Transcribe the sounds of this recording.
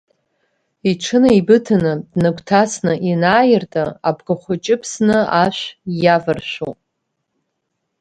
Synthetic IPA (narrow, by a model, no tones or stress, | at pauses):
iʈ͡ʂʰɨnɨibɨtʰanɨdnɨɡʷʰʼtʰasnɨʔinaːjɪrtʼaabɡaχʷʊt͡ʃʼɪpʰsnɨaʃʷjavɨrʃʷᶣo̰